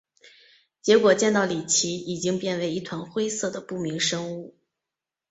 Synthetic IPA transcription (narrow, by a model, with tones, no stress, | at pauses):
t͡ɕjɛ˧˥kwɔ˨˩t͡ɕjɛ˥˧nt̪ɑ˥˩ʊli˨˩t͡ɕʰi˧˥i˨˩t͡ɕi˥ŋpjɛ˥˩nwe˧˥ɪi˥˩t̪ʰwa˧˥nxwe˥ɪsɤ˥˩d̪ə˩pu˥˩mi˧˥ŋʂɤ˥ŋu˥˩